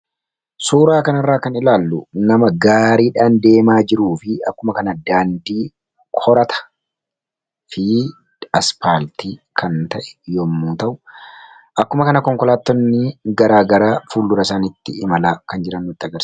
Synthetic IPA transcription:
suːɾaːkɐnɐrːaːkɐnɪlaːlːʊnɐmɐɡaːɾiːᶑaːnd̪e̞ːmaːd͡ʒɪɾuːfɪɐkːʊmɐkɐnɐd̪aːnd̪iː | kʰɔɾɐt̪ʰɐ̥ | fɪ | ɐspaːlt̪iːkʰɐnt̪ɐʔɛ̥joːmːuːt̪ɐʔʊ | ʔɐkːʊmɐkɐnɐkɔŋkɔlaːt̪ːɔnːɪɡɐɾaːɡɐɾaːfuːlːʊɾɐsaːnɪt̪ːɪ̰ɪmɐlaːkɐnd͡ʒɪɾɐnːʊt̪ːɪɐɡɐɾs

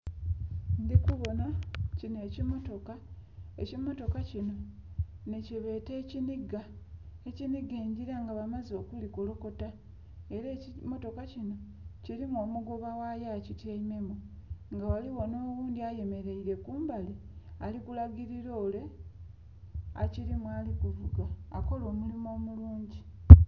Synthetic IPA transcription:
ndikuβo̞nacine̞ːcimo̞to̞kaecimo̞to̞kacino̞ | neciβe̞ːte̞ːciniɡaeciniɡeːɲɟiɾaŋɡaβamazo̞ːkulikolo̞ko̞ta | eɾeːcimo̞to̞kacino̞ | ciɾimwo̞ːmuɡo̞βawajaːcitjaime̞muŋɡawaliwo̞no̞ːwuːndiaje̞me̞ɾe̞iɾe̞kuːmbali | alikulaɡiɾiɾo̞ːle̞ | a̰ciɾimwaːlikuvuɡaːko̞lo̞ːmulimo̞ːmuluːɲɟi

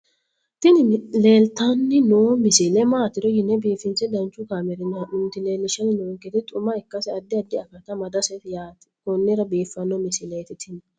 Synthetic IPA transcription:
t̪ɪnɪleːlt̪anːɪnoːmɪsɪlɛmaːt̪ɪɾɔjɪnːɛbeːfɪnsɛd̪ɐnt͡ʃːʊkaːmɛɾɪnaʔʊnt̪ɪleːlːɪʃɐnɪnoːŋkɛt̪ɪt̪ʼʊmɐɪkːɐsɛɐd̪ːɪɐd̪ːɪɐkɐt̪ɐmɐd̪ɐsɛt̪jaːt̪ | kɔnːɪɾɐbeːfːɐnːɔmɪsɪlɛt̪ɪt̪ʰɪn

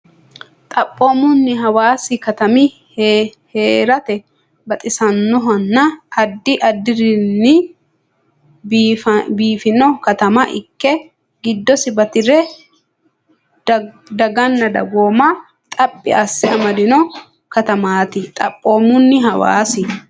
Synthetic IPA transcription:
t̪ʼɐpʼːo̞ːmʊnːɪɦɐwaːsɪkɐt̪ɐmɪ | hheːɾɐt̪ɛ | bɐt̪ʼɪsɐnːɔɦɐnːɐːd̪ːɪʔɐd̪ːɪɾɪnːɪ | biːfɪnɔkɐt̪ɐmɐʔɪ̰kːɛ | ɡɪd̪ːɔsɪbɐt̪ɪɾɛ | d̪ɐɡɐnːɐd̪ɐ̰ɡoːmɐ | t̪ʼɐpʼːɪ̰ɐsːɪɐmɐd̪ɪnɔ | kɐt̪ɐmaːt̪ɪt̪ʼɐ̰pʼːo̞ːmʊnːɪɦɐwa̰ːsɪ

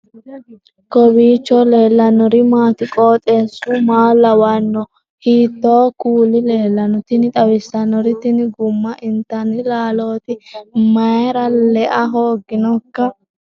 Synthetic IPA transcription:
kɔbiːt͡ʃːɔleːlːɐnɔɾɪmaːt̪ɪkʼoːt̪ʼeːsʊmaːlːɐwɐnːɔ | hiːt̪ːoːkuːlɪleːlːɐnɔt̪ɪnɪt̪ʼɐwɪsːɐnɔɾɪt̪ɪnɪɡʊmːɐʔɪnt̪ːɐnɪlaːlo̞ːt̪ɪmɐjɾɐlɛʔɐɦoːɡːɪnɔkːɐ

